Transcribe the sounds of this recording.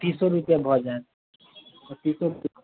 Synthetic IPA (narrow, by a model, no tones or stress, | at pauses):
t̪ĩːsɔɾupijãbʱɔd͡ʒaẽ | ɔt̪iːsɔp